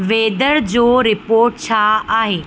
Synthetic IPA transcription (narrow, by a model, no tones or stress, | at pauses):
ʋeːd̪əɾd͡ʑoːɾɪpoːɾʈ̚t͡ɕʰaaːɦeː